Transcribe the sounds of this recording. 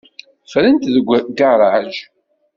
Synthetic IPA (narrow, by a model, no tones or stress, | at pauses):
fɾənt̪ðəɡʷɡaɾˤʕʒ